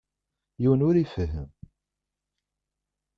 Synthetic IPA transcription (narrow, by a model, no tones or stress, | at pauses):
jiwənʊɾifəɦəm